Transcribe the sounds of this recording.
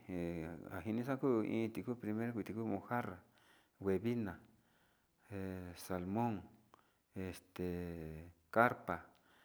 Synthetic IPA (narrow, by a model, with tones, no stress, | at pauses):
a̰˨ɦi˧nĩ˧s̬ã˦ku˦ʔḭ̃ː˧t̪i˧ku˦pɾi˧mẽ˦ɾkʷi˧t̪i˧ku˦mõ˧ha˦ra˨ | we˧βi˦nã˨ | e˨sa˨lmõ˦ŋ | e˧˨st̪e˨ | ka˦ɾpa˨